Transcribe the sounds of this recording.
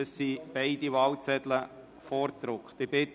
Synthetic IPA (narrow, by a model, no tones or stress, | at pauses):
əssib̥ɛɪd̥iʋɑlt͡sɛdlə | fɔɾt̪ɾʊkχt̪ɪbɪt